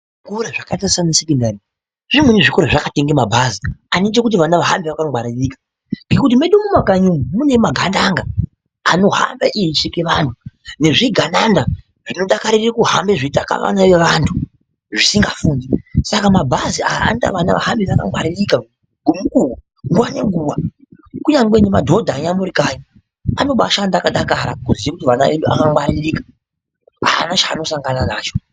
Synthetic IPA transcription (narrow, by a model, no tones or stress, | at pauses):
ʐikoɾeʐakatarisanesikindari | ʐimweneʐikoɾeʐakateŋɡemabʱazianit̬ekut̬iʋanaʋaɦa̰mbiʋakaŋɡwaɾirikḁ | ŋɡe̞kutimeɗumumakaɲumumune̞maɡʱandaŋɡa | ano̞ɦa̰mbaʔiiʂikeʋantʰune̞ʐiɡʱananda | ʐ̥ino̞ɗakaɾirakuɦa̰mbeʐitaka̰ʋa̰naʋeʋantʰu | ʐisiŋɡafuːndisakamabʱaziaaanta̰ʋana̰ʋa̰ɦambiaka̰mwaɾirika | ɡʱumukuwu | ŋɡwaneŋɡuwa | kuɲaŋɡwenemadʱo̞dʱaɲamuɾikaɲi | ano̞ɓa̰ʃandaːkaɗakaɾakuziʋekutiʋanaeɗua̰kamwaɾirikḁ | a̰a̰nat͡ʃaːno̞saŋɡananaːt͡ʃo